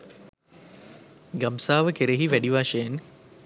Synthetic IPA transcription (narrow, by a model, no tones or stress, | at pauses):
ɡamsaːʋəkeɾeɦiʋæɖiʋaːʃəjen